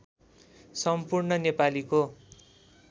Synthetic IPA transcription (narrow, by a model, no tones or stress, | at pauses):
sʌmpurnʌnepaliko